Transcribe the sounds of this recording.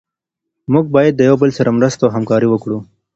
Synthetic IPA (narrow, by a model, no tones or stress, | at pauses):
mʊɡ̚bɑjad̪̚ːəjawbəlsaɾamɾəst̪aɦamkɑɾiwəkɽu